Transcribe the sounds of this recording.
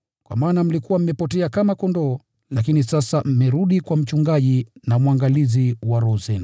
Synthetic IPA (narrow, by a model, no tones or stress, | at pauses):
kwa̰maːnam̩likuwam̩mɛpɔtɛakamakɔndɔː | lakinisasam̩mɛɾuɗikwam̩t͡ʃuŋɡaʄinamwaŋɡaliziwaɾɔzɛna